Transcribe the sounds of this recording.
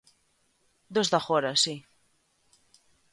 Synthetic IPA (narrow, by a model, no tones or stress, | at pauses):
d̪ozðaxoɾasi